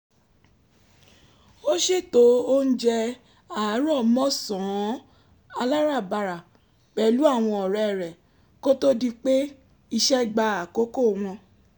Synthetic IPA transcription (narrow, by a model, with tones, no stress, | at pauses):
o˦ʃe˦˨to˨˦o˦n̩˦d͡ʒɛ˧ | a˨˦ɾɔ˦˨mɔ̃˦sɔ̃˨˦ | a˧la˦ɾa˦˨ba˧ɾa˨ | k͡pɛ˨˦lu˦a˦˨w̃ɔ̃˧ɔ˨ɾɛ˨ɾɛ˨ | ko˦to˦di˧k͡pe˦ | i˧ʃɛ˦ɡ͡ba˧a˨ko˨˦ko˦˨w̃ɔ̃˧